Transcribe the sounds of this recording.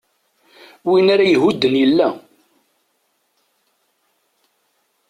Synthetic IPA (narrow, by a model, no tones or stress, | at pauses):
winaɾajəɦud̪ːənjəlːæ